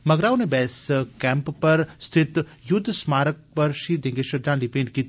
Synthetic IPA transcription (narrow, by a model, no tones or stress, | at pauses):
mɐɡɾaːwnebɛːskɛ̃ːmppɐɾst̪ʰɪt̪jʊd̪ʱːsmaːɾək̚pɐɾʃiːd̪ẽːŋɡeʃɐd̪ãːnlipẽːnɖki